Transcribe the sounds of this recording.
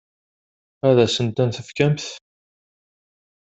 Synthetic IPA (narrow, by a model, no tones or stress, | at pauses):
æðæsənt̪ænθəfkæmθ